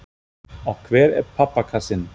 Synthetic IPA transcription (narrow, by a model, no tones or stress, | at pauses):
ɔkʰːvɛːɾɛ̰pʰapːakʰasɪn